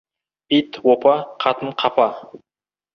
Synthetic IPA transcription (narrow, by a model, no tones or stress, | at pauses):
pit̪wopɑqʰɑt̪əɴqʰɑpɑ